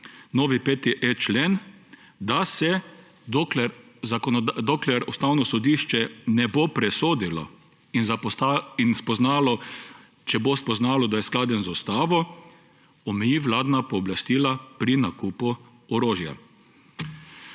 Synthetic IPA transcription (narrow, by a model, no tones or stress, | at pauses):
noːʋipet̪iʔet͡ʃleːn | d̪asɛ | d̪oklɛɾ | zakɔnd̪oklɛɾust̪aːwnɔsɔd̪iːʃt͡ʃɛnɛbopɾɛsoːd̪ilɔ̰ | inzinspɔznaːlɔ | t͡ʃɛbospɔznaːlɔd̪ajɛsklaːd̪ɛnzust̪aːʋɔ | ɔmɛjiːʋlaːd̪napɔːblast̪iːlapɾinakuːpu | ɔɾoːʒja̰